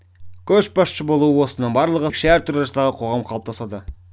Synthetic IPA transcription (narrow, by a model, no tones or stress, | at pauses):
kʲʰɵʃbɑsʃəbo̞lˠuəwo̞sənəɴbɑɾlˠəʁəkʃæɾt̪ʰuɾɑsd̪ɑʁəqʰo̞ʁɑmqʰɑlˠəpt̪ɑsɑd̪ə